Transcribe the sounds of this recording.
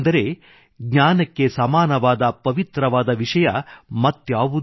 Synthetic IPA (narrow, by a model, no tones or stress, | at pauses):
nd̪ɐɾe̞ | ɡɲaːnɐkːe̞sɐmaːnɐʋaːd̪ɐpɐʋit̪ɾɐʋaːd̪ɐʋiʂɐjɐmɐt̪ːjaːʋu